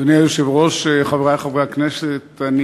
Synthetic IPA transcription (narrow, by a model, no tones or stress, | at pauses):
oniajoʃevʁoʃeχaveʁajχavʁeakneset̪ani